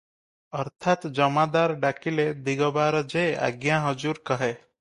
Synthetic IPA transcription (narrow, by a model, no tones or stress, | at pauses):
ʌɾt̪ʰat̪d͡ʒəmad̪aɾɖakiled̪iɡɔbaɾd͡ʒea̰ɡjaɦɔd͡ʒuɾkɔɦe